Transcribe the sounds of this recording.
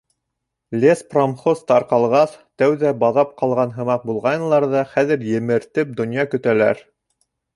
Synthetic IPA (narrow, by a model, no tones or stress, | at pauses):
lʲespromχost̪ɑɾqɑlˠʁɑθt̪æwðæbɑðɑp̚qɑlˠʁɑnɦɤ̆mɑq̚bulˠʁɑj̪lˠɑɾðɑχæðɘ̆ɾjɘ̆mɘ̆ɾt̪ɘp̚d̪ŏnjɑkɵ̆t̪ælæ̰ɾ